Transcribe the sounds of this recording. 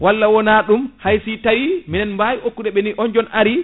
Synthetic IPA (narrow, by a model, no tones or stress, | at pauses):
walːawɔnaːɗumhajsitawiminɛnmbajiʔokːuɗɛɓɛniʔɔnd͡ʒɔnʔaɾi